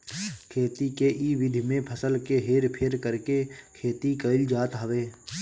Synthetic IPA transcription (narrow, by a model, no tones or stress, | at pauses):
kʰeːt̪ikeʔiːʋɪd̪ʱimẽpʰəsəlkeɦeːɾpʰɪɾkəɾkekʰeːt̪ikəɪld͡ʒaːt̪ɦəʋeː